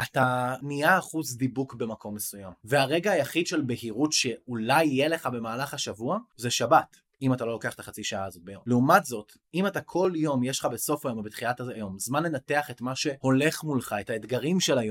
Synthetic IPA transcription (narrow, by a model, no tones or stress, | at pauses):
ʔataniaːχuzd̪ibukbe̞makʰo̞mːe̞sujamveaʁe̞ɡaːjaχidʃe̞lbe̞hiʁutʃe̞ulajjele̞χabe̞maːlaχaʃavuazeʃabat | imatalolokeaχet̪aχat͡siʃaaːzo̞t̚bejo̞mleumatzo̞t | imatakʰo̞ljo̞mjeʃlχabe̞so̞fajo̞mbet̪χilatajo̞mzmanle̞nate̞aχe̞tmaʃe̞ho̞le̞χmulχae̞taedɡaʁimʃelajo